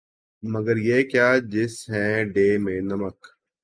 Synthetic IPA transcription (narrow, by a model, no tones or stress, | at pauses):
məɡəɾjeːkjaːd͡ʑɪsɦɛ̃ːɖeːmẽːnɐmək